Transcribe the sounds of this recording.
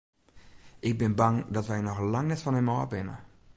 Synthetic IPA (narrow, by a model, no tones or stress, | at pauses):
ʔɪk̚bɪnbaŋdɔtʋɛjnɔxlaŋnɛtfɔnɛmoəbɪnə̰